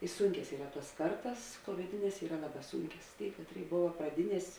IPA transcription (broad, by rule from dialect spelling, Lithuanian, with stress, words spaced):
ɪ ˈsuːŋʲkʲɛs ˈiːrɐ ˈtuɔs ˈkɐrtɐs tuɔmʲɛˈtʲɪnʲɛs ˈiːrɐ ˈlˠɑːˌbɑː ˈsuːŋʲkʲɛs ˈtʲeːɪ ˈkɑːtʲˌrʲeːɪ ˈboːʋɐ prɐˈdʲɪˌnʲiɛsʲ